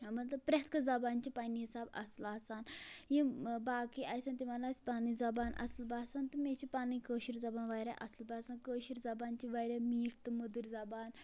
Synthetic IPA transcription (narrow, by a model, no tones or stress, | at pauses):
amɐt̪lɐpɾʲat̪ʰkəd͡zɐbant͡ɕipaniisaːbɐ̰slaːsaːnjĩbaːkiʔajsaːnt̪imalaːsi̥panid͡zɐbaːnʔɐ̰səlbʱaːsant̪əmeipaːnĩkəʃiɾd͡zɐbaːnʋajɾʲa̰ʔɐslbʱaːsankəɕiɾd͡zɐbant͡ɕiʋajɾamiːʈ̚ʰt̪ɨməd̪əɾd͡zɐbaːn